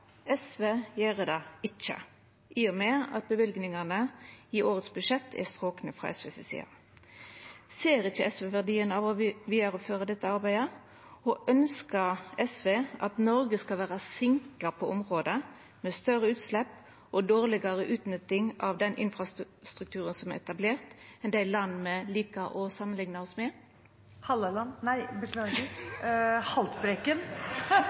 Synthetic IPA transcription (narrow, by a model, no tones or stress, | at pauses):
ɛsʋeːjæːʁəd̪ɑɪt͡ʃːə̰ | ʔiːɔmeːɑ̰t̪̚bəʋɪlɡnɪŋɑnəɪʔoːʁət̪sbʉʂɛt̪ʰːɛ̰st̪ʁoːknəfʁɑ̰ːʔɛ̰sʋesɛsḭːɑ̰ | seːʁɪçəɛsʋeʋæʁd̪iːənɑʋɔʋiːd̪əɾɔføːʁəd̪ɛt̪ːəɑʁbæɪə | ɔʔœnskəʁɛsʋeːʔɑt̪nɔɾɡəskɑlʋæːʁɑsɪŋkləpʰɔʔɔmʁoːd̪ə | mɛst̪œʁəʉːt̪slɛpː | ʔɔd̪oːʁlɪɡɑɾəʔʉːt̪nʏt̪ːɪŋɑʋd̪ɛnʔɪ̰nfɾɑs | st̪ɾʉkt̪ʰʉːʁənsɔmæʁɛt̪ɑbleːʁt̪ɛnd̪æɪlɑnːmɛliːkəʔɔsɑmːənlɪŋnəɔsmɛ | hɑlolɑnnæɪbəklɑ | hɑlt̪bɾekən